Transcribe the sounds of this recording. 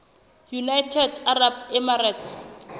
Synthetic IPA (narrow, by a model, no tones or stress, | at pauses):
junajtʰɛdarabɛmaratʰs